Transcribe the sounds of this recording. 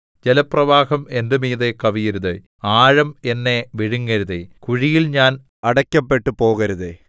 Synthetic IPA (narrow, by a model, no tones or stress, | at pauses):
d͡ʑelɐprɐʋaːhɐme̞ndɐmiːðekɐʋijɐɾuðɨ | aːɻɐmenːe̞ʋiɻuŋːɐɾuðekuɻijilɲaːn | ɐɽɐkʲːɐpːe̞ʈːɨpo̞ːɣɐɾuðe